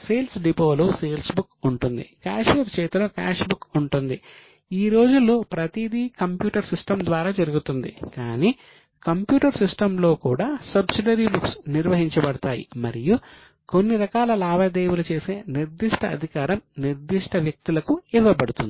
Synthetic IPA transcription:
seːlsɖipo̞ːloːseːlsbukuɳʈund̪ḭkaːʂɐɾt͡ʃɛːt̪uloːka̰ːʂbukuɳʈund̪i | iːɾo̞ːd͡ʒulːoːpɾɐt̪id̪ikɐmpjuːʈɐɾsisʈɐmd̪ʋaːɾaːd͡ʒɐɾuɡut̪und̪ḭkaːniː | kɐmpjuːʈɐɾsisʈɐmlo̞ːkuːɽaːsɐbsiɖɐɾibuksniɾʋɐɦiɲt͡ʃɐbɐɽɐt̪a̰ːjḭmɐ̰ɾiju | ko̞nːiɾɐkaːlɐlaːbɐd̪eːwulɐt͡ʃe̞ːse̞ːniɾd̪iʂʈɐɐd̪ʱikaːɾɐmniɾd̪iʂʈɐʋjɐk̚t̪ulɐkuiʋɐbɐɽut̪ṵnd̪i

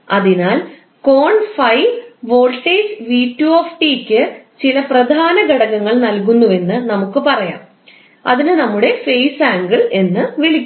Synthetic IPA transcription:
ɐðinaːl | ko̞ːɳfɐjʋo̞ːlʈːeːd͡ʑʋiːtːuoːfʈiːkʲːɨt͡ɕilɐprɐd̪ʱaːnɐɡɐɽɐɣɐŋːɐɭnɐlk̬unːue̞nːɨnɐmukːɨpɐrɐja̰ːm | ɐ̰ðinɨnɐmːuɽe̞fejsaːŋɡiɭe̞nːɨʋiɭikʲː

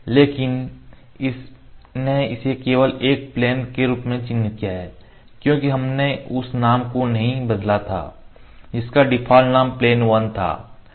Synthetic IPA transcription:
leːkɪn | ɪsneɪsekeːʋəleːk̚pleːnkeɾuːpmẽt͡ʃɪ̃nːɪt̪̚kijaɦɛː | kjõːkiɦɐmneʊsnaːmkonɐɦĩbɐd̪lat̪ʰa̰ːd͡ʒɪskaɖɪpʰaːlnaːmpleːnʋɐnt̪ʰa̰ː

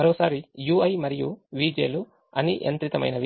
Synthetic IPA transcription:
ɐɾoːsaːɾijuːɐjmɐɾijuʋiːd͡ʒeːlu | ɐniʔḛnt̪ɾit̪ɐmɐ̰jnɐʋi

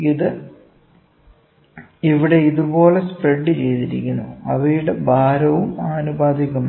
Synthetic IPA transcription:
iðɨ | iʋiɽe̞iðubo̞ːle̞spreɖːɨt͡ɕe̞jt̪iɾḭkʲːunːuɐʋɐjuɽebʱaːɾɐʋumaːnubaːd̪ʱiɣɐm

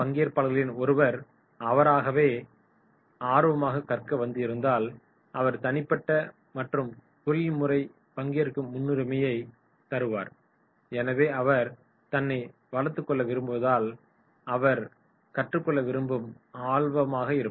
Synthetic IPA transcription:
pɐŋɡɪjɐɾpaːlɣɐɭɪnɔɾɯʋɐɾ | ɐʋɐɾaːɣɐʋeː | aːɾɯʋɐmaːɣɐkɐrkɐʋɐnd̪ɪɪɾɯnd̪aːl | ʔɐʋɐɾt̪ɐnɪpːɐʈːɐ | mɐʈrɯmt̪ʊɻmʊrɐɪ | pɐŋɡɪjɐɾkːɯmːʊnːɯɾɪmɐjɐɪ | t̪ɐɾɯʋaːɾ | ɛnɐʋeːɐʋɐɾ | t̪ɐnːɐɪ | ʋɐlɐɾt̪ːɯkːɔɭːɐʋɪɾɯmbɯʋɐðaːl | ɐʋɐɾ | kɐʈrɯkːɔɭːɐʋɪɾɯmbɯmaːɭʋɐmaːɣɐɪɾɯ

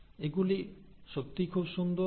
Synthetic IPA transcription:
eɡuli | ʃok̚t̪ikʰubʃund̪o

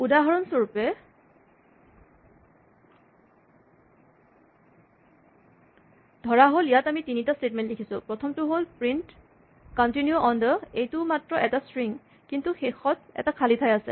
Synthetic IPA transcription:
udaɦaɹɔnsoɹpɛ | dʱɔɹaɦolijatamitinitastet̚mɛntdekʰisʊ̰̃pɹɔtʰɔmtʊɦolpɹint | kɔntinjuʔɔndəejtʊmatɹɔʔɛtasɹiŋ | kintuxexɔt̚ɛ̰takʰalitʰajasɛ̰

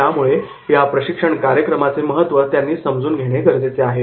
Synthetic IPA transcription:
jamuɭe | japɾəɕikʂəɳkaɾjəkɾəmat͡seməɦət̪ʋət̪janːiːsəmd͡zuːnɡʱeɽ̃ekəɾd͡zet͡seaɦe

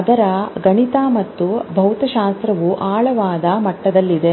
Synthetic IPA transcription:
ɐd̪ɐɾɐɡɐɳit̪aːmɐt̪ːubʱɐwt̪ɐʃaːst̪ɾɐʋuʔaːɭɐʋaːd̪ɐmɐʈːɐd̪ɐlːid̪e̞

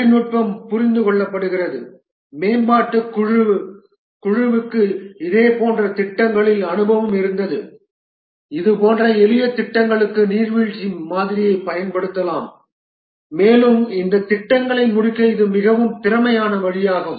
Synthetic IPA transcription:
nuːʈ̚pɐmpʊɾɪnd̪ɯkɔɭːɐpːɐɽɯɣɪrɐðɯ | meːnbaːʈːɯkɻʋ | kʊɻɪʋɯkːɯɪðeːpoːndrɐt̪ɪʈːɐŋɡɐɭɪlɐnɯbɐʋɯmɪɾɯnd̪ɐðɯ | ɪðɯpoːndrɐɛlɯjɐt̪ːɪʈːɐŋɡɐɭɯkːɯniːɾʋiɻt͡ʃimaːðɪɾɪjɐɪpɐjɐnpɐɽɯt̪ːɐlaːmː | eːlɯmɪnd̪ɐt̪ːɪʈːɐŋɡɐɭɐɪmʊɽɪkːɐɪðɯmɪɣɐʋɯmt̪ɪɾɐmɐjaːnɐʋɐɻɪjaːɣɯm

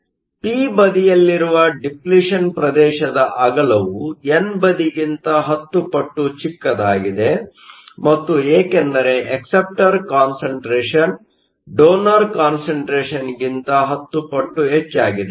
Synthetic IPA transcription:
piːbɐd̪ijɐlːiɾuʋɐɖipliʂɐnpɾɐd̪ɛːʃɐd̪ɐʔɐɡɐlɐʋuenbɐd̪iɡint̪ɐɦɐt̪ːupɐʈːut͡ʃikːɐd̪aːɡid̪e̞ | mɐt̪ːueːkɛnd̪ɐɾeʔeksep̚ʈɐɾkaːnsɐɳʈɾeːʂɐn | ɖoːnɐɾkaːnsɐɳʈɾeːʃɐnɡint̪ɐɦɐt̪ːupɐʈːuɦet͡ʃːaːɡid̪e

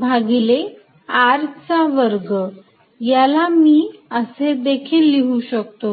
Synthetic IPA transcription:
bʱaɡile | aɾt͡saʋəɾɡə | jalamiːəsed̪ekʰiːlːiɦuɕək̚t̪o

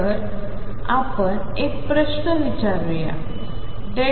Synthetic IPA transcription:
əɾ | apəɳek̚pɾəɕnəʋit͡ɕaɾuja̰ | ɖe

